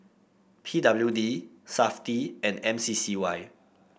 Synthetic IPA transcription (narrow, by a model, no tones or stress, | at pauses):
pʰidabəljudisaftiɛ̃nɛ̃msisiwaj